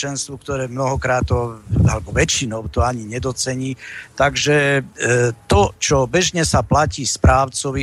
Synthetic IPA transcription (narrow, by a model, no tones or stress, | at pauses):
ɛnst̪ʋukt̪ɔɾɛːmnɔɦɔkɾaːt̪ːɔalɛbɔʋɛt͡ʃinɔʊt̪ɔaɲiɲɛd̪ɔt͡sɛɲiːt̪aɡʒɛ | t̪ɔt͡ʃɔbɛʒɲɛsaplaciːspɾaːʊt͡sɔʋi